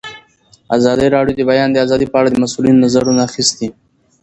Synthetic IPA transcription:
azɑd̪əɾɑɖjod̪əbajɑnd̪əazɑd̪ipəaɽad̪əmasulinonazaɾunaaxist̪i

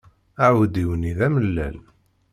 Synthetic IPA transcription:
aʕwəd̪iwəniðæməlːæ̰l

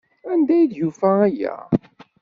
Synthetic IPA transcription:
ænd̪æjðjufææjæ̰

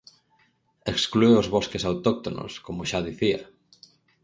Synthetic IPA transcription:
eksklueozβoskesawt̪ok̚t̪ono̰skomoʃaðiθiɐ̰

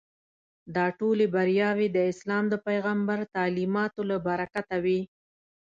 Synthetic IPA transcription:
d̪ɑʈolebaɾjɑwed̪əɪslɑmd̪əpajɣambaɾt̪ɑlimɑt̪olabaɾakat̪awi

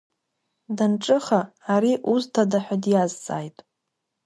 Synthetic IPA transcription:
danʈ͡ʂʼɨχaːɾiʔuztʰadaħʷᶣadjazt͡sʼa̰ːjtʼ

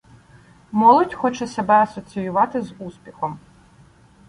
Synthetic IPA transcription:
mɔlˠɔdʲxɔt͡ʃɛsɛbɛɐsɔt͡sʲijʊʋɑt̪ɪzusʲpʲixɔm

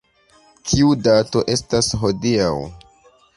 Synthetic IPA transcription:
kʰiudato̞ʔe̞stasɦo̞diaw

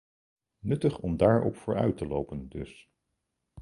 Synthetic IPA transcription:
nɵtəχɔmdaːɹɔ̰pfʊːɹœ̰ɥtəlowpəndɵs

